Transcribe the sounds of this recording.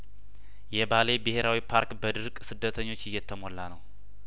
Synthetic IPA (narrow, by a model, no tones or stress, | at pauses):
jɛbalebɨhe̞ɾawipʰaɾkbəd̪ɨɾkʼsɨd̪ːət̪ʰəɲːo̞t͡ʃːɪjːɛt̪ʰːəmo̞lːanəw